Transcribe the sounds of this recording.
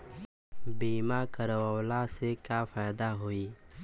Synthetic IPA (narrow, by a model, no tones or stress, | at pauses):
biːmakəɾwəːlasekafaːd̪aɦoiː